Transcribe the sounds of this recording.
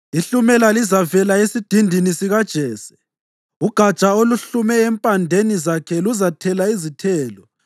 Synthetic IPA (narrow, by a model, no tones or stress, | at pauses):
iɬumɛlalizavɛlaesid̥ʱindʱinisiɣad̥ʒ̥ʱɛːsɛ̥ | uɡ̥ʱḁt͡ʃʼaoluɬumɛːmpʼandʱenizakʰɛluzatʰɛlaizitʰɛːlɔ